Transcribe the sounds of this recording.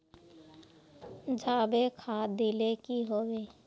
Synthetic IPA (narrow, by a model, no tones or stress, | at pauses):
d͡ʒʱaːbekʰad̪ilekiɦoːweː